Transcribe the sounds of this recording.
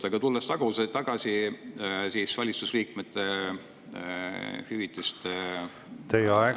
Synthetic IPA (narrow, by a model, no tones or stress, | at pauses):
t̪eɡ̥ɑt̪ulːest̪ɑɡ̥uset̪ːɑɡ̥ɑsi | sisvɑlʲit̪susliːk̚met̪ːˑe | hyvit̪ːˑist̪ | t̪ejɑɛ